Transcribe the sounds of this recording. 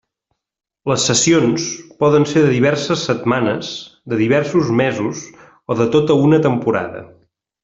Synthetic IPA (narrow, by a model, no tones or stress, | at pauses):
ləsːəsionspɔðənseɾðəðiβ̞ɛɾsəsːət̪manəzd̪əðiβ̞ɛɾsuzmezuz | oðət̪ot̪əunət̪əmpuɾa̰ðə̰